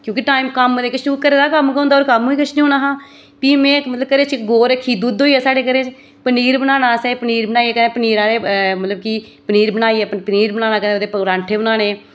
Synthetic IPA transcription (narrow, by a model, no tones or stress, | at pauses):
kjõːkɪʈaːimkəmːod̪eːkɪt͡ʃʰuːkəɾeːd̪aːkəmkəõːnd̪aɔːɾkəmːũːiːkət͡ʃʰniɦoːnaːɦãː | piːmɛ̃ːmət̪ləb̚kəɾeːt͡ʃɡoːɾekʰːiːd̪uːd̪ɦoːiɛːsaːɽeːkəɾeːt͡ʃ | pəniːɾbənaːnaːsɛːpəniːɾbənaːiɛːkənẽːpəniːɾãːɾeːmət̪ləbki | pəniːɾbənaːiːɛːppəniːɾbənaːnaːkəed̪eːpɾãːɳʈʰeːʊnaːnẽː